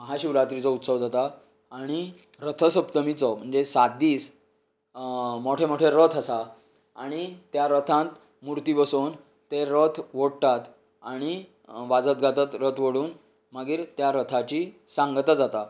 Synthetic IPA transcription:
məɦaɕiʋɾat̪ɾit͡sɔut̪səʋd͡zat̪aː | ɽ̃i | ɾət̪ʰəsəpt̪əmit͡sɔm̤əɳd͡zesat̪̚d̪iːs | moʈʰemoʈʰeɾət̪ʰəsa | aɽ̃it̪jaɾət̪ʰãnt̪ | muɾt̪ibəsoːn | t̪eɾət̪ʰʋoɽt̪at̪ | aɽ̃i | ʋad͡zət̪̚ɡʱat̪ət̪ɾət̪ʰʋəɽuːn | maɡiːɾt̪jaɾət̪ʰat͡ɕisãŋɡt̪əd͡zat̪a

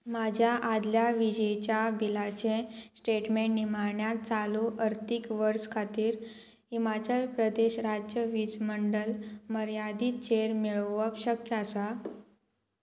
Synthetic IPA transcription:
mad͡ʑʱjaʔad̪ljaʋid͡ʑəjt͡ɕjabilat͡ɕẽsʈeʈmeɳʈnimaɾɳjat̪t͡saluʔəɾt̪ikʋəɾskʰat̪iːɾ | ɦimat͡ɕəlpɾəd̪eɕɾad͡ʑjəʋid͡zməɳɖəlməɾjad̪iːt̪t͡ɕeɾmiɭəəpɕəkjəasa

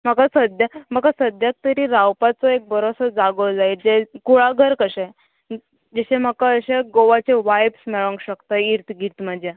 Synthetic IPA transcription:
m̤əkasəd̪jam̤akasəd̪jak̚t̪əɾiːɾawpat͡sɔek̚bəɾosəd͡zaɡəd͡zaid͡ʑekuɭaɡʱəɾkəɕẽ | d͡ʑeɕẽm̤əkaəɕeɡoʋat͡ɕeʋajbsmɛɭə̃ŋkɕəkt̪aiɾt̪ɡʱiɾt̪məd͡ʑja

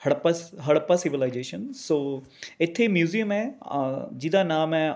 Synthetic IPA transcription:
həɽpaɦəɽpasɪʋɪlaɪd͡ʒeːʃənsoː | ɪt̪ʰːemjuːzijəmɛː | d͡ʒɪd̪aːnaːmɛ

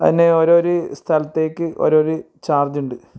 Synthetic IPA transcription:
ɐ̰ðinːe̞oːɾoːɾust̪ʰɐlɐt̪ːe̞ːkʲːɨʔo̰ɾoːɾu | t͡ɕaːrd͡ʑuɳɖɨ

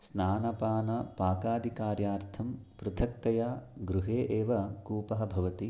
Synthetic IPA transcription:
snaːnɐpaːnɐpaːkaːd̪ʱikaːɾjaːɾt̪ʰɐmpɾɐt̪ʰɐk̚t̪ɐjaːɡɾuɦeːʔeːʋɐkuːpɐɦɐbʱɐʋɐt̪i

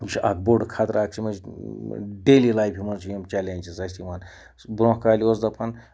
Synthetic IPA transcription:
t͡ʃʰia̰ːk̚boɖkʰaːt̪ɾaːk̚t͡ʃʰimɐd͡ʒ | ɖeːlilaːjpʰʲimɐnt͡ʃʰujemt͡ʃalʲeːnʲt͡ʃizɐst̪ʲimɐn | bɾõːhkaːlʲiosd̪ɐpʰɐn

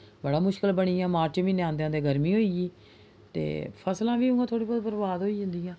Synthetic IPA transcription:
bəɽaːmʊʃkəlbəɽiːjãːmaːɾt͡ʃʋĩːneãːnd̪eãːd̪eːɡəɾmiːɦoːiːiː | t̪ḛːpʰəslãːʋiːʊ̃ːɡãːt̪ʰoːɽiːbɔːd̪bəɾbaːd̪ɦoːiːd͡ʒə̃nd̪iːãː

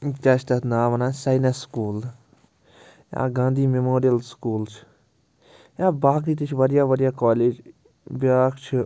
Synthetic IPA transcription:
t͡ʃaʃt̪ɐt̪naːʋɐnãːsaːjnaskuːl | ja̰ːɡãːnd̪iːmemoːɾijəlskuːlt͡ʃʰ | jaːbaːk̬iːt̪it͡ʃʰʋəɾjaːʋəɾjaːkaːleːd͡ʒ | bjaːkt͡ʃʰ

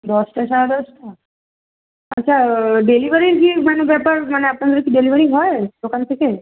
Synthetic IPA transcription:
d̪ɔsʈət͡ʃʰad̪ɔsʈ | ətːʃʰaɖeliʋəɾiɡimanubepəɾməneapɽə̃ɡ̪əɾ̃kiɖeliʋəɾiɦɔjt̪okankʰeke

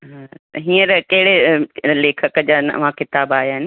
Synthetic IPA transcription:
ɦãːɦiːəɾkɐɦɪɽeleːkʰəkəd͡ʑaːnɐ̰ʋ̤ãkɪt̪aːbaːɦjɦɪnɪ̆

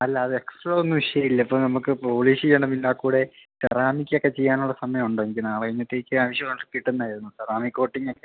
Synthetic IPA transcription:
ɐlːɐːðɨeksproːonːuʋiʂɐjɐmilːɐipːonɐmukːɨpo̞ːliːsijeːɳɨmilːaːkːuːɽe̞t̪ɐraːmikʲːokːe̞t͡ɕejːaːnuɭːɐsɐmɐjɐmuɳɖoɐŋikʲːɨnaːɭɐiɲːɐt̪ːeikːɨaːʋiʂjɐkɐɳɖripiʈːenːaːjiɾunːusɐraːmikːo̞ːʈːiŋːokːe

